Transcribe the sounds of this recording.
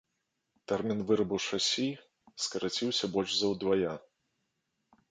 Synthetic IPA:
t̪ɛrmʲinvɨɾɐbuwʂasʲi | skɐɾat͡sʲiwsʲɐbɔlʲʐzɐwd̪vaja

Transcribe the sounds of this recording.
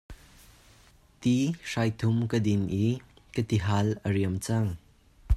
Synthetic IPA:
t̪iʂajt̪ʰʊmkəd̪ɪnʔikət̪iɦalʔəriəmt͡sɐŋ

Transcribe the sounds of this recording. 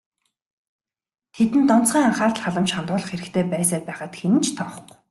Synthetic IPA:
t̪ʰet̪ɘ̆nt̪ɔn̥t͡sχiːŋaɴχaːr̆ɮχaɮə̆mʃχant̪ʊːɮə̆χxeɾɘ̆kt̪ʰeːpæːs̬aːpæːχət̪xenɘ̆nt͡ɕʰt̪ʰɔːχ̆k

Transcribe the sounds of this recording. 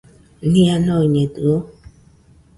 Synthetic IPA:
nĩanoiɲet̪uo

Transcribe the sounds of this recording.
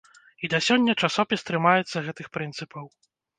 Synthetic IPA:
id̪ɐsʲɔnʲːɐt͡ʂasɔpʲist̪ɾɨmajɛt̪sːɐɣɛt̪ɨxpɾɨnt̪sɨpʰɐw

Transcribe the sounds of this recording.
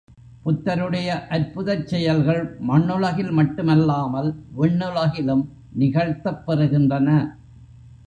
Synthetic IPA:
pʊt̪ːɐɾɯɽɐjɐʔɐɾpʊðɐt͡ʃːɛjɐlɣɐɭmɐɳːɯlɐɣɪlmɐʈːɯmɐlːaːmɐlʋɛɳːɯlɐɣɪlɯm | nɪɣɐɻt̪ːɐpːɐɾɯɣɪndrɐnɐ

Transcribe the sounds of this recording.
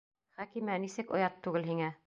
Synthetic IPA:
χækimænisɘkŏjɑt̪ːʉɡɘlɦiŋæ

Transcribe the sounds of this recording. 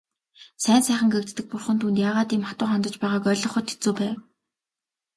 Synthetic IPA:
sæːnsæːχə̆ŋɡekt̪ːɘ̆k̚pʊrχə̆nt̪ʰuːnt̪jaːʁaːt̪iːmχat̪ʊːχɔnt̪ɞ̆t͡ɕpæːʁaːkœɮɞ̆χʊ̆t̪ʰːi̥t͡suːpæːw

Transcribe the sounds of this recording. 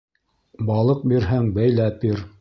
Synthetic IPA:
bɑlˠɤq̚biɾɦæŋbæjlæp̚biɾ

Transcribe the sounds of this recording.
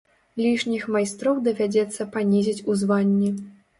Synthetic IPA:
lʲiʂnʲixmajst̪ɾɔwd̪ɐvʲad͡zʲɛt̪sːɐpanʲizʲit͡sʲuzvanʲːi

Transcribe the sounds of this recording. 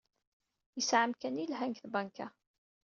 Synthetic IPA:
jəsʕəmkænilɦæŋkθbɑŋka

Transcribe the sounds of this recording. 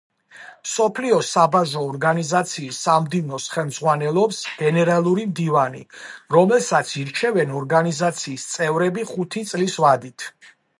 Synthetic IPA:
msɔpʰliɔsabaʒɔːɾɡanizat̪sʰiːsːamd̪ivnɔsχɛlˠmd̪zʁwanɛlˠɔpsɡ̥ɛnɛɾalˠuɾimd̪ivanḭɾɔmɛlˠsat̪sʰiɾt͡ʃʰɛvɛnɔɾɡanizat̪sʰiːst̪sʼɛvɾɛbiχut̪ʰit̪sʼlisvad̪it̪ʰ

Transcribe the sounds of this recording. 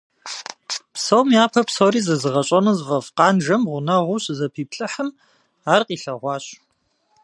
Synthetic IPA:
psɐwmiaːpʰɐpsowɾiːzɐzɨʁɐɕʼɐnɐzɨvɐfqɑːnʒɐmʁʷʊnɐʁʷʊɕzɐpʰiːpɬʼɨħəm | aːrqiːɬɐʁʷɑːɕ

